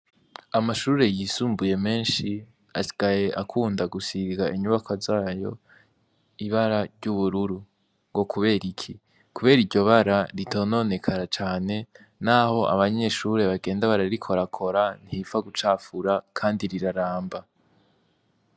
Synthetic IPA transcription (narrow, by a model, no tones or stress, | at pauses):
amaʃuːɾe̞jiːsuːmbuje̞me̞ːnʃi | asi̥ɡ̥aje̞ʔakʰuːndaɡusiɡaʔiɲuβakʰazaːjo̞̰ | iβaɾaɾɟuβuɾuɾu | ŋɡo̞kʰuβe̞ːɾikʰi | kuβe̞ːɾiɟo̞βaɾaɾitʰono̞ne̞kʰaɾat͡ʃaːne̞ | naho̞ʔa̰βaɲe̞ʃuɾe̞βaɡe̞ːndaβaɾaɾikʰo̞ɾakʰo̞ɾan̥hifaɡut͡ʃaːfuɾakʰaːndiɾiɾaɾaːmba